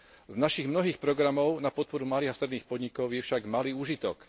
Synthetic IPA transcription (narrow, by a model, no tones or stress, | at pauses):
znaʃiɣmnɔɦiːxpɾɔɡɾamɔʊnapɔt̪̚pɔɾumaliːɣast̪ɾɛd̪niːxpɔd̪ɲikɔʊjɛfʃaɡmaliːuːʒit̪ɔk